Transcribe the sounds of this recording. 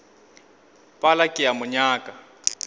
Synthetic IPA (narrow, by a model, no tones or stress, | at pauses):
pʼalakʼɪamʊɲaːkʼa